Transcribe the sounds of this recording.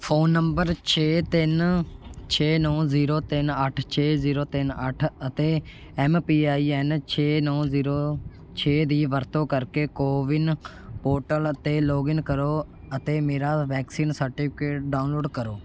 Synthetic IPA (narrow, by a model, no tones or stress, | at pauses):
pʰoːnːəmbəɾt͡ʃʰeːt̪ɪn | t͡ʃʰeːnɔ̃ːziːɾoːt̪ɪnəʈʰt͡ʃʰeːziːɾoːt̪ɪnə̰ʈʰət̪eː | ɛːmpiːaːiːɛːnt͡ʃʰeːnɔ̃ːziːɾoː | t͡ʃʰeːd̪iːʋəɾt̪õːkəɾkeːkoːʋɪn | poːɾʈələt̪eːloːɡɪnkəɾoː | ət̪eːmeːɾaːʋɛːksiːnsəɾʈɪpʰɪkeːʈ̚ɖaːʊnloːɖkəɾoː